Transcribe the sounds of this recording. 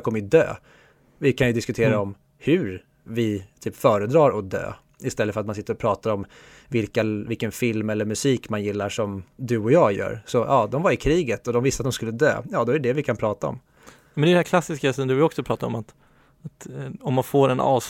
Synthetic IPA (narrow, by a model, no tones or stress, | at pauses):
kʰɔmːəjd̪ø̰ː | vɪkʰanjɵd̪ɪskɵt̪ʰeːɾaɔm | hɵɾ | vɪt̪ʰyːpfœːɾəd̪ɾɑːɾɔd̪ø̰ː | ɪst̪ɛlːəfœɾat̪mansɪt̪ːəɾɔpʰɾɑːt̪aɾɔm | vɪlkavɪlkənfɪlmɛlːəɾmɵsiːkmanjɪlːaʂɔmd̪ɵɔjɑːɡjœ̰ːɾsɔʔɑːd̪ɔmvaɾɪkʰɾiːɡət̪ɔd̪ɔmvɪst̪at̪̚d̪ɔmskɵlːəd̪ø̰ːjɑːd̪ɔæɖɛd̪ɛvɪkʰanpʰɾɑːt̪aɔ̰m | mɛnd̪ɛdɛhæɾkʰlasɪskasɔmd̪ɵvɔksɔpʰɾɑːt̪aɾɔ̰mat̪ | at̪ɔmːanfoːɾɛnɑ̰ːs